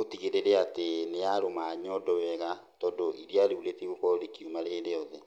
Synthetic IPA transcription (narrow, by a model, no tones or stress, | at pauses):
otiɣeɾeɾeateneaɾomaɲɔdɔwɛɣa | tɔːndoʔiɾiaɾeuletiɣokɔɾekiumaɾeːɾeɔðɛ